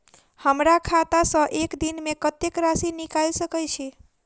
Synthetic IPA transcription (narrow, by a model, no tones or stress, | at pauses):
həmɾakʰat̪asə̃ʔekd̪inmekət̪ekɾasinikalsəkəjt͡ʃʰɛ